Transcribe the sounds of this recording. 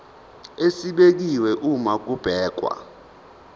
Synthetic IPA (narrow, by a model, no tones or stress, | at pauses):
esiɓek̬iwɛʔumak̬ub̥ʱɛːk̬wa̰